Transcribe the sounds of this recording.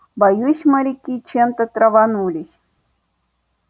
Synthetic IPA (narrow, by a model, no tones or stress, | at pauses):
bajusʲmɐɾʲɪkʲit͡ɕemt̪ət̪ɾɐvanulʲɪsʲ